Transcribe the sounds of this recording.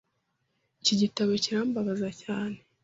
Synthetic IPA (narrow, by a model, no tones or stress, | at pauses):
iciɟitaβo̞ciɾaːmbaβazacaːne̞